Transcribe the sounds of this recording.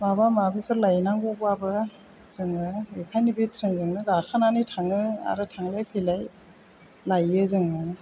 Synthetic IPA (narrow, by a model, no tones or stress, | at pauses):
mabamabipʰɯɾlajnaŋɡobabɯ | z̥ɯŋɯekʰajnibet̪ʰɾeŋzɯŋnɯɡakʰananijtʰaŋɯa̰ɾɯtʰaŋlajpʰelaj | lajɯzɯŋɯ